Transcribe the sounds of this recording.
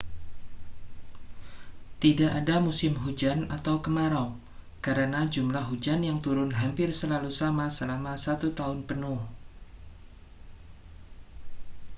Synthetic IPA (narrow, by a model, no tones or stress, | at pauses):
t̪idaʔadamusɪmɦud͡ʒanat̪awkəmaɾa | kaɾənad͡ʒumlahɦud͡ʒanjaŋt̪uɾʊnɦampɪrsəlalusamasəlamasat̪ut̪aʊnpənʊh